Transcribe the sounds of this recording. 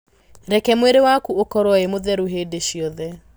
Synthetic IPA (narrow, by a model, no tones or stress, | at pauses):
ɾɛkɛmweɾewakuokɔɾwɔemoðɛɾoɦeːdeɕjɔðɛ